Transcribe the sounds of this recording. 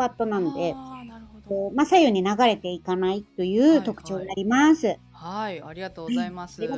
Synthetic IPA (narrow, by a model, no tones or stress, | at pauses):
pat̪ːo̞nãno̞d̪e̞ | oːmasaijo̞ɲ̟inaɡaɾe̞t̪e̞ikanait̪ːo̞jɯ̟ːt̪o̞kɯ̟̥t͡ɕo̞ːd̪eaɾʲimasɨ | d̪e